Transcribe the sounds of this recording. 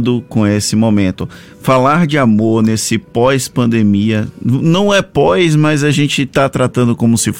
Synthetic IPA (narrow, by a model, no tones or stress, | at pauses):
d̪ʊkõesɪmõmẽnt̪ʊ | falaɾd͡ʒɪamoɾnesɪpɔjspɐ̃nd̪emiɐnɐ̃w̃ɛpɔjzmɐzaʒẽnt͡ʃɪt̪at̪ɾat̪ɐ̃nd̪ʊkõmʊsɪf